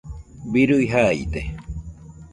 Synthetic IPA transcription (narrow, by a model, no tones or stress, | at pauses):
biɾujɦait̪e